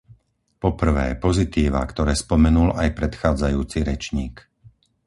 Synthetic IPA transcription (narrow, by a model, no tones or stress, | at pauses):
pɔpr̩ʋɛ̰ːpɔzit̪iːʋa̰kt̪ɔɾɛːspɔmɛnulajpɾɛt̪xaːd͡zajuːt͡siɾɛt͡ʃɲiːk